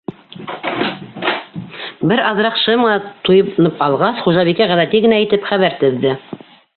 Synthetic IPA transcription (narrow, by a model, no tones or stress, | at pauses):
bɘɾɑðɾɑqʃɤmɤ̆nɑt̪ujɤnɤpɑlˠʁɑsχuʒɑβikæʁæðæt̪iɡɘ̆næit̪ɘpχæβæɾt̪ɵ̆ðːɘ